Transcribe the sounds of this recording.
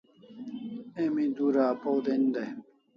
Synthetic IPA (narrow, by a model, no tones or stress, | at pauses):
emĩd̪uɾaːpowd̪end̪e